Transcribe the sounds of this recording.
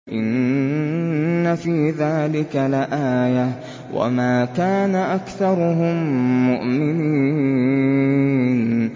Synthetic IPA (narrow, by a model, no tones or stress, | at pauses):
ʔɪn | afiːðaːlɪkalɪʔaːja | wʔa̰maːkaːnaʔakθɑɾˤʊɦʊmːʊʔmɪniː | n